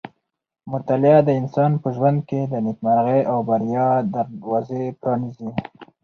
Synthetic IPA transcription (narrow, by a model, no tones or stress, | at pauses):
mʊt̪alɪad̪əɪnsɑnpəʒwand̪̚ked̪ənɪkmaɾɣejʔawbaɾjɑd̪aɾwɑzepɾɑnizi